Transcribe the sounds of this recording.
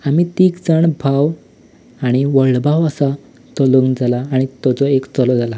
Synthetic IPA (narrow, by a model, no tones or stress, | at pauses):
amit̪iːkd͡zaɳbʱaw | aɽ̃iʋəɭbʱawəsa | t̪ɔləŋɡd͡zalaːɽ̃it̪ɔt͡sɔekt͡sɔlɔd͡zala